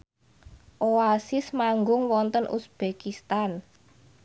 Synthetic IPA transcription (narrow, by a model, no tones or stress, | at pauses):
ʔoasɪsmaŋɡʊŋwɔnt̪ənʔṵsb̥ekist̪an